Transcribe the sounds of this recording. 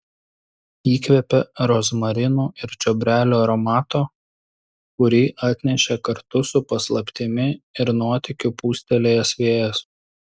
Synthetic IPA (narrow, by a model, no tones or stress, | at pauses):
iːkʋʲɛpʲɛɾɔzmɐɾʲɪnuːɪɾt͡ʃʲɔbʲɾʲæːlʲoːɾɐmɑːt̪oː | kʊɾʲiːʔɑːt̪ʲnʲɛʃʲɛkɐɾt̪ʊsʊpɐslˠɐpʲt̪ʲɪmʲɪɪɾnuɔt̪ʲɪkʲʊpuːsʲt̪ʲɛlʲeːjɛsʋʲeːjɛs